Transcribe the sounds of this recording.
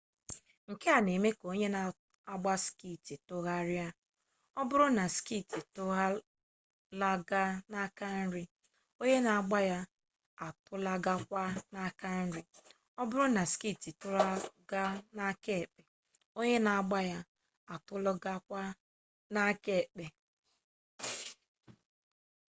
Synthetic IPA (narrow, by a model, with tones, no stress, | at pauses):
ŋ̩˨ke˦a˨ne˨me˦ko˦ɲe˦na˨ | a˦ɡ͡ba˦ski˦˨ti˨tʊ˦ɣa˦ɾja˦ | ɔ˦bʊ˦ɾʊ˦na˨ski˦˨ti˨tʊ˦ɣa˦ | la˦ɡa˦na˦ka˦n̩˦ɾi˦ | o˦ɲe˦na˨a˨ɡ͡ba˦ja˦ | a˨tʊ˦la˦ɡa˦kʷa˦na˦ka˦n̩˦ɾɪ˦ | ɔ˦bʊ˦ɾʊ˦na˨ski˦˨ti˨tʊ˦la˦ɡa˦na˦ke˦˨k͡pe˨ | o˦ɲe˦na˨a˨ɡ͡ba˦ja˦ | a˨tʊ˦lɔ˦ɡa˦kʷa˦ | na˦ke˦˨k͡pe˨